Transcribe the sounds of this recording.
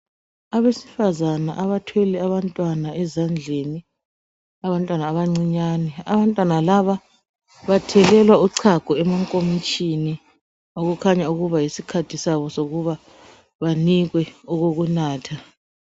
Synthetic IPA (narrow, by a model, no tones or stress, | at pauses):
aβesi̥fazanaʔaβatʰwɛlɛaβantʼwanaɛzand͡ɮʱeni | aβantʼwanaːβaŋ͡ǀiɲaːnɛa̰βantʼwanalaβa | βatʰɛlɛlwauǀʰaɡ̥ʱuɛmaŋkʼomit͡ʃʼini | oɣukʰaɲauɣuβajisikʰatʰisaβɔsoɣuβa | βaniɣwɛɔɣoɣunaːtʰa